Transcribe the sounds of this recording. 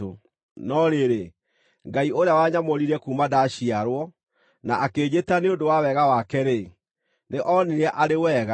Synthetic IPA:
o | nɔɾeɾe | ŋɡaioɾeawaɲamoɾiɾɛkumadaɕiaɾwɔ | naʔakeːɲetaneondowawɛɣawakɛɾe | neʔɔniɾɛʔaɾewɛːɣa

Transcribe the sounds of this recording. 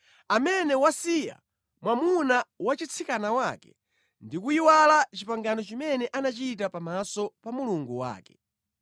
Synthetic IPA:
amɛnɛwasija̰ | mwamunawat͡ʃit͡sʰikanawakɛ | ndikuiwalat͡ʃipaŋɡanɔt͡ʃimɛnɛʔanat͡ʃit̬apamasɔpamuluŋɡuwa̰ːkɛ

